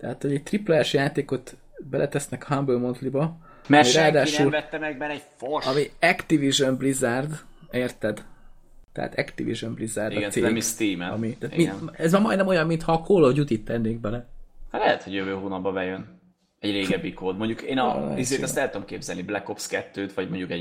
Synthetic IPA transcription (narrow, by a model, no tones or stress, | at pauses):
t̪ɛɦat̪ho̞ɟɛc̚t̪riplɛɛʃjaːt̪eːko̞t̪ | bɛlʔɛt̪ɛsnɛkhambølmo̞nt̪libɒ | mɛɛraːd̪aːʃuːlvɛt̪ːɛmɛɡ̚mɛɾɛɟforɒmiɛkt̪iviʒømblizard̪ | eːrt̪ɛd̪ | t̪ɛ̰ɦa̰t̪ɛkt̪ḭvḭʒømblizaːrdiɡɛnsemist̪iːmɛɒ̰mit̪aːt̪miɛzʋɒmːɒjd̪nɛmo̞jɒmːint̪hɒːkʰoːloɟut̪it̪ːɛnːeːɡ̚bɛlɛhat̪lɛɦɛt̪hoɟjøvøːɦuːnɒb̚bɒvɛjøn | ɛɟɾeːɡɛbːikoːd̪mo̞ɲɟukeːnɒ̰l̰izeːɛst̪ɛlːt̪uomkeːbzɛlniblɛkofskɛt̪ːøːt̪ʋɒɟmoɲɟukɛ